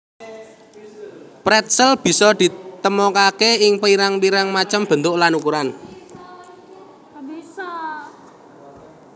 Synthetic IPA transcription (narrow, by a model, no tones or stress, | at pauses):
pɾɛt̪̚səlb̥i̤sɔd̪̥i̤t̪əmɔkakeɪŋpəiɾaŋliɾaŋmat͡ʃəmb̥ə̤nt̪ʊʔlanukuɾan